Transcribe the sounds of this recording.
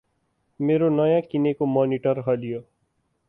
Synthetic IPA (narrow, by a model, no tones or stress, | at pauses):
meɾonʌjãkinekomɔniʈʌɾɦʌlijo